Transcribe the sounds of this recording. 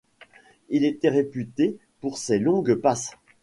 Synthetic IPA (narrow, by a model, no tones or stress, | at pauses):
ilet̪ɛʁepyt̪e | puʁsɛlɔ̃ɡpas